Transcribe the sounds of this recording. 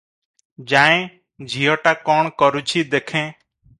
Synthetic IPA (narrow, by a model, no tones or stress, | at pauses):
d͡ʒaːẽː | d͡ʒʱiːoːʈaːkoːɳkəɾuːt͡ʃʰiːd̪eːkʰẽː